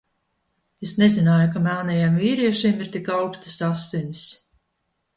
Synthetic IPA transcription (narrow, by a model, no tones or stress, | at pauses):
esnezinaːjukamælnɛjamviːɾiɛʃimiɾt̪ikawkst̪i̥sasːinʲis